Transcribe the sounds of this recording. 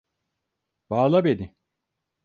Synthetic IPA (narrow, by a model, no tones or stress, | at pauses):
b̥aːlˠabenɪ